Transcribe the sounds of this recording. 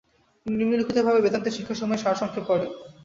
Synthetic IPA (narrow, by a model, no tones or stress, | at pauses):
nimnilukʰit̪obʱabebed̪ant̪eɾʃikʰːaʃɔmɔeʃaɾʃɔŋkʰːekɔɾe